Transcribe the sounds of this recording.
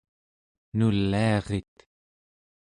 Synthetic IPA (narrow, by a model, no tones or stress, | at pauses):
nulːiɑʁet̪